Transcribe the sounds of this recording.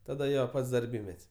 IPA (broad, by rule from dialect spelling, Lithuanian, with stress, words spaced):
tɐˈdɐ ˈjoː ˈpɐts dɐrʲˈbʲiːmʲɛtʲsʲ